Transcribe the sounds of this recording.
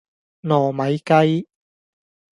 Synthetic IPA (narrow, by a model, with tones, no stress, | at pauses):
nɔː˨˩mɐ˨jkɐ˥j